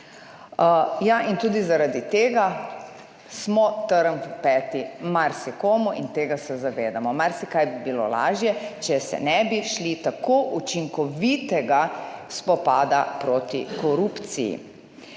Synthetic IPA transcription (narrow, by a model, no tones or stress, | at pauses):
jaʔint̪uːd̪izaɾad̪it̪eːɡa | smɔt̪əɾəmvpɛːt̪imaɾsikoːmuʔint̪eːɡasɛzaʋeːd̪amɔmaɾsikajbibilo̰la̰ːʒjɛt͡ʃɛsɛ̰nɛbiʃlit̪akoːʔut͡ʃiŋkɔʋit̪ɛɡaspɔpaːd̪apɾoːt̪ikɔɾupt̪sḭjḭ